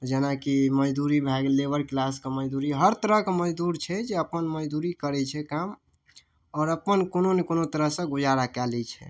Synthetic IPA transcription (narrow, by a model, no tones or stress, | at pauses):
d͡ʒenakiməd͡ʒd̪uɾibʱɛɡlebəɾklaskeməd͡ʒd̪uɾiɦəɾt̪əɾəɦkeməd͡ʒd̪uɾt͡ʃʰɛd͡ʒeəpənməd͡ʒd̪uɾikəɾɛt͡ʃʰɛkam | ɔːɾəpənkononekonot̪əɾəɦsə̃ɡud͡ʒaɾakɛlɛt͡ʃʰɛ̰